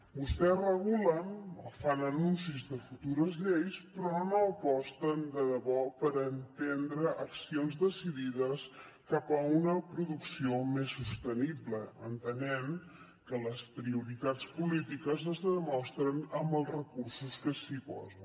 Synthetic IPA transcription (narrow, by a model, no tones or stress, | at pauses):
bust̪ɛzrəɣulənofanənunsizðəfut̪uɾəzʎejspɾɔnoəpɔst̪ənd̪əðəβɔpəɾənt̪end̪ɾəʔəksionzðəsiðiðəs | kapəunəpɾuðuksiomesːust̪ənibləənt̪ənɛn | kələspɾiuɾit̪at͡spulit̪ikəzəzðəmɔst̪ɾənəmbəlˠzrəkursuskəsipɔ̰zə